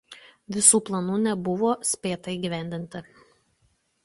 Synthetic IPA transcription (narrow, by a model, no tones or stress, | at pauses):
ʋʲɪsuːplˠɐnuːnʲɛbʊʋoːsʲpʲeːt̪ɐiːɡʲiʋʲæˑnʲd̪ʲɪnʲt̪ʲɪ